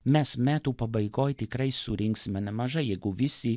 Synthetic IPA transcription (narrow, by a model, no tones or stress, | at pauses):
mʲɛsmʲæːt̪uːpɐbɐɪɡoːjt̪ʲɪkɾɐɪsʊɾʲɪŋksʲɪmʲɛnʲɛmɐʒɐɪjɛɪɡʊʋʲɪsʲi